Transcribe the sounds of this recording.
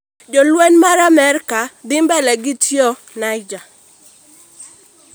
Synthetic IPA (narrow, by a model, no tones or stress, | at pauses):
d͡ʒolwenmaɾamɛrkad̪ɪmbɛlɛɡɪtjɔ | najd͡ʒa